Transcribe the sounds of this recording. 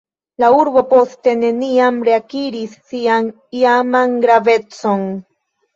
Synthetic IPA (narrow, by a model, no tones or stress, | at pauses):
lauɾbo̞po̞ste̞ne̞niamɾeakiɾisːian | iamanɡɾave̞t͡so̞n